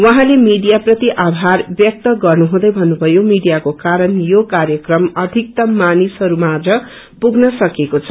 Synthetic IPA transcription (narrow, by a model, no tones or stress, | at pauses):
wʌɦãlemiɽijaprʌt̪iʔabʱarbjʌk̚t̪ʌɡʌrnuɦũd̪ʌjbʱʌnːubʱʌjomiɽijakokaɾʌnjokaɾjʌkrʌmʌd̪ʱik̚t̪ʌmanisɦʌɾumad̪ɾʌ | puɡnʌsʌkekot͡sʰʌ